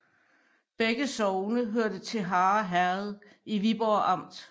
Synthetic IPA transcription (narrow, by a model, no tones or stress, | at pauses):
b̥eɡ̥əsɒʊnəɦøɐ̰d̥ət͡sʰe̝ɦɑ̈ːɦæɐð̞̩ˠ | iʋib̥ɒʔɑ̈m̰d̥